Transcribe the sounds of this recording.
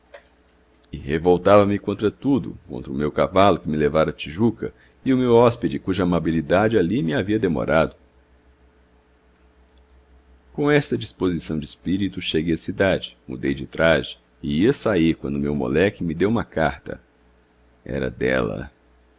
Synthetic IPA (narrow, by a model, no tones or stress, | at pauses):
ɪhevowt̪avɐmɪkõnt̪ɾɐt̪ud̪ʊ̰kõ̰nt̪ɾɐʊmewkavalʊkɪmɪlevaɾɐt͡ʃiʒukɐ̰ | ɪʊmewɔsped͡ʒɪkuʒɐamabilid̪ad͡ʒɪalimɪaviɐd̪emo̰ɾʔad̪ʊ | kõw̃ɛst̪ɐd͡ʒispozisɐ̃w̃d͡ʒɪːspiɾit̪ʊʃeɡejɐsid̪ad͡ʒɪ̥mṵd̪ejd͡ʒɪt̪ɾazd͡ʒɪ̥ | ɪiɐsaiɾkwɐ̃nd̪ʊmewmo̰lɛkɪmɪd̪ewũmɐkaɾt̪ɐ̰ | ɛ̰ɾɐ̰d̪ɛ̰lɐ̰